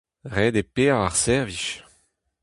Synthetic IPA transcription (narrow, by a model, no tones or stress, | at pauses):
ʁeːd̪epeːʁaʁsɛʁviʃ